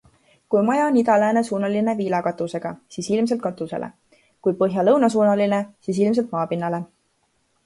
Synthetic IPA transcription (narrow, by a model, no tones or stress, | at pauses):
kujmɑjɑnid̪ɑlæːne̞suːnɑline̞viːlɑkɑt̪ːˑuse̞ɡ̥ɑsiːsilms̬e̞lt̪kɑt̪ːˑuse̞̰lʔḛ | kujpɤɦjɑlɤwnɑs̬uːnɑline̞siːs̬ilms̬elt̪̚mɑːpinːɑle̞